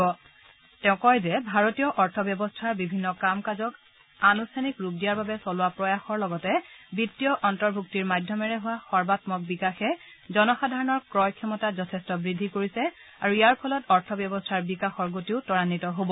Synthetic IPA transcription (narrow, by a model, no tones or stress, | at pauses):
ɔ | tɛʊ̃kɔjzɛbʱaɹotijɔʔɔɹtʰɔbjɔbɔstʰaɹbibʱinːɔkamkazɔk | anustʰanikɹup̚dijaɹbabɛsɔlʊwapɹɔjaxɔɹlɔɡɔtɛbitːijɔʔɔntɔɹbʱuk̚tiɹmadʱjɔmɛɹɛɦʊwaxɔɹbatmɔk̚bikaxɛ | zɔnɔxadʱaɹɔnɔɹkɹɔjkʰjɔmɔtazɔtʰɛstɔbɹidʱːikoɹisɛ | aɹuijaɹpʰɔlɔtɔɹtʰɔbjɔbɔstʰaɹbikaxɔɹɡotiʊtɔɹanitɔɦobɔ